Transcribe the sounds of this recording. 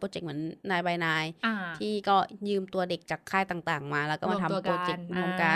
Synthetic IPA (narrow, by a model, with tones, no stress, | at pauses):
poː˧t͡ɕe˨˩k̚mɯ˩˦ənnːaː˧jba˧jnaː˧jt̪ʰiː˥˩kɔː˥˩jɯː˧mt̪u˧ɐde˨˩k̚t͡ɕaː˨˩kʰːaː˥˩jt̪aː˨˩ŋt̪aː˨˩ŋmaː˧lɛː˧˦˥wkɔ˥˩ma˧t̪ʰa˧poː˧t͡ɕe˨˩k̚mo˧ŋkaː˧